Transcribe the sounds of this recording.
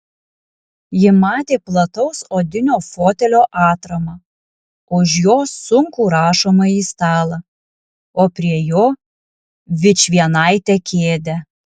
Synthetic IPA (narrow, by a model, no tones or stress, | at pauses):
jɪmɑːt̪ʲeːplˠɐt̪ɐʊsoːd̪ʲɪnʲoːfoːt̪ʲɛlʲoːʔɑːt̪ɾɐmɑ | ʊʃjoːsːʊŋkuːɾɑːʃoːmɐiːst̪ɑːlˠɐ | oːpʲɾʲiɛjoː | ʋʲɪt͡ʃʲʋʲiɛnɐɪt̪ʲɛkʲeːd̪ʲɛ